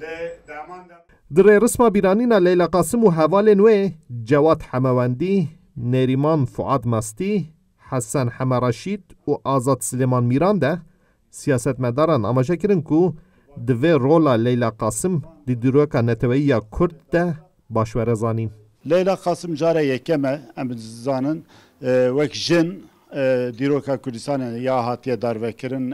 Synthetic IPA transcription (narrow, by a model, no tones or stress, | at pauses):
d̪ɨreːrɨsmɑːbiːɾɑːniːnɑːlɛjlɑːqɑːsɨmuːɦɛvɑːlenweːd͡ʒɛwɑːt̪ħɛmɛwɛnd̪i | neɾimɑːnfʊ̰ʔɑ̰ːd̪mɑst̪i | ħæsɛnħɛmɛɾˤɑʃiːd̪uʔɑːzɑːd̪sɨleːmɑːnmiːɾɑːnd̪ɛ | sijɑːsɛt̪mɛd̪ɑːɾɑːnɑ̰ːmɑːʒɛkɨɾɨnkʰu | d̪ɨveːroːlɑːlɛjlɑːqɑːsɨmd̪ɨd̪iːɾoːkɑːnɛt̪ʰɛwɛjijɑːkʰʊɾd̪̚ːɛ | bɑːʃwɛɾɛzɑːniːn | lɛjlɑːqɑːsɨmd͡ʒɑːɾɛjɛkɛmɛɛmzɑːnɨn | wɛkʒɪn | d̪iːɾoːkɑːkʰʊɾd̪ɨst̪ɑːnejɑhɑːt̪ijɛd̪ɑɾvɛkɨɾɨn